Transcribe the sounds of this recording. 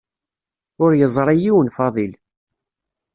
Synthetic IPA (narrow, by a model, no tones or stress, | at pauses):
ʊɾjəzˤɾˤijiwənfɑðˤil